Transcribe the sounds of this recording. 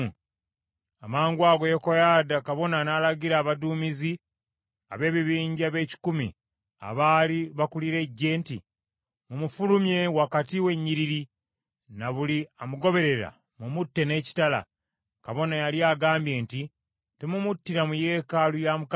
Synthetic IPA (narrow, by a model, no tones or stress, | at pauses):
amaːŋɡwaːɡo̞jokojaːdakaβo̞nanaːlaɡiɾaːβaduːmizi | a̰βe̞ːβiβiːɲɟaβe̞ːci̥kumḭ | a̰βaːliβakuliɾe̞ɟːe̞ːntḭ | mumufulumje̞wakatiwe̞ɲːiɾiɾi | naβuliamuɡo̞βe̞ɾe̞ɾa̰ | mumutːe̞ne̞ːci̥tala̰ | kaβo̞najaljaːɡaːmbje̞ːnti | temumutːiɾamuje̞ːkalujamuk